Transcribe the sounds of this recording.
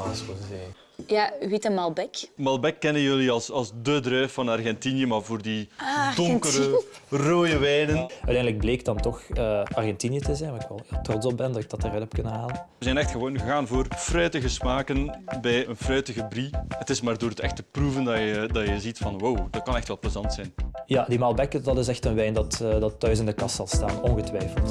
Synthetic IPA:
asoze | jaʋitəmɑlˠbɛkmɑlˠbɛkːɛnənjøliɑlˠsɑlˠsdədrœːfɑnɑrɣɛntinjəmaːrvoːrdidɔŋkəɾəroːjəʋɛjnənœɥtɛndələɡ̚bleːk̚dɑntɔxəɑrɣɛntinjətəzɛjnaɪkʋɛlˠːtrotsɔp̚bɛndɑtɪɡ̚dɑtərœtɔpkɵnəɦaːlənəzɛjnɛxtxəʋoːnɣəɣaːnvoːrfrœɥtəɣəsmaːkənbɛjənfrœɥtəɣəbrihətɪsmaːrdoːrɦətɛxtəpruvəndɑjədɑjəzitfɑnwowdɑt̚kɑnɛxtʋɛlˠpəzɑntsɛjnjadimaːlˠbɛkədɑtɪsɛxtənʋɛjndɑtədɑtːœɥsɪndəkɑstsɑlˠsta̰ːnɔnɣətʋɛjfəlˠt

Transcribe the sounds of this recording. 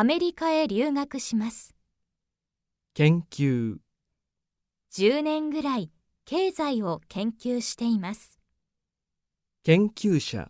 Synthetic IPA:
ame̞ɾʲikae̞ɾʲɨːŋakɯ̟ɕimasɨ̥ | kẽ̞ŋkʲɨː | d͡ʑ̥ɨːnẽ̞ŋɡɯ̟ɾai | ke̞ːzaio̞kẽ̞ŋkʲɨːɕi̥t̪e̞imasɨ̥ | kẽ̞ŋkʲɨːɕa̰

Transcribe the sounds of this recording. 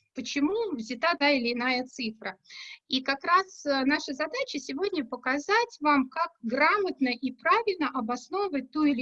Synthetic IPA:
pət͡ɕɪmuvzʲɪt̪at̪aɪlʲɪːnajət̪sɨfɾəikakɾasnaʂəzɐd̪at͡ɕɪsʲɪvo̞dʲnʲəpəkɐzatʲvamkakɡramət̪nəʔipɾavʲɪlʲnəʔɐbɐsno̞vəvət̚ʲt̪uɪlʲɪ

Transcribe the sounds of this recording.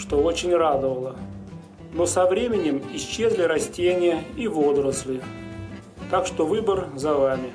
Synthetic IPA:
ʂt̪o̞ot͡ɕɪnʲrad̪əvəlˠə | no̞sɐvɾʲemʲɪnʲɪmɪɕt͡ɕːezʲlʲɪɾɐsʲtʲenʲɪjəivo̞d̪ɾəslʲɪ | t̪akʂt̪ovɨbərzɐvamʲɪ

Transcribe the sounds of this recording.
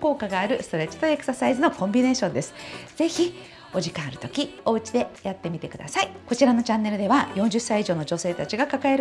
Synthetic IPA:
ko̞ːkaɡaːɾɯ̟sɨ̥t̪o̞ɾe̞t͡ɕːi̥t̪o̞e̞kɯ̥sasaizɨno̞kõ̞mbʲine̞ːɕõnd̪e̞sɨ̥ze̞çi | o̞ʑikãɰaɾɯ̟t̪o̞kʲioɯ̟t͡ɕid̪e̞jat̪ːe̞mʲit̪e̞kɯ̟d̪a̰saiko̞t͡ɕiɾano̞t͡ɕãnːe̞ɾɯ̟d̪e̞βajõ̞ɲ̟d͡ʑɨsːaiʑo̞ːno̞d͡ʑo̞se̞ːt̪at͡ɕiɡakakaeɾ

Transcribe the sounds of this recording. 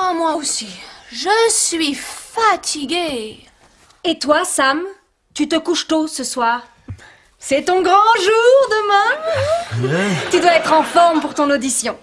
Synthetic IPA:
amwaosiʒəsɥifat̪ʰiɡʲe | et̪wasam | t̪yt̪əkuʃt̪osəswaːʁ | sɛt̪ɔ̃ɡʁɑ̃ʒuʁd̪əmɛ̃ | t̪yd̪waɛt̪χɑ̃fɔʁmpuʁt̪ɔ̃nod̪isjɔ̃

